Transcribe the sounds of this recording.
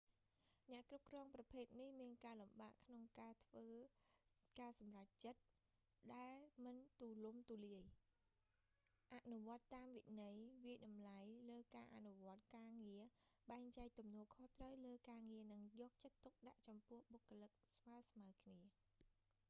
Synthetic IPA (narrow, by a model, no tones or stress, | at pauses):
nɛ̆əʔkrup̚krɔːŋprɑpʰeːt̪̚nihmiənkaːlumɓa̰ːʔkʰnoŋkaːt̪ʰʋəː | kaːsɑmrac̚t͡ɕət̪̚ | ɗaɛlmɨnt̪uːlumt̪uːliəj | ʔaʔnuʋŏət̪ːaːmʋḭʔnɨjʋiəjɗɑmlajləːkaːʔa̰nuʋŏət̪̚kaːŋiəɓaɛŋt͡ɕaɛk̚t̪umnɔəlkʰoht̪rəwləːkaːŋiənɨŋjɔːk̚t͡ɕət̪ːuk̚ɗaʔt͡ɕɑmpʊ̆əhɓokːolɨk̚sʋaəsmawkʰniə